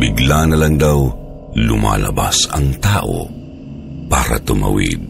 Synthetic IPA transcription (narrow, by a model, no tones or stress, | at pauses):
bɪɡlanɐlaŋd̪aw | lʊmaːlɐbasɐŋt̪aːʔo | paːɾat̪ʊmawḭd̪̚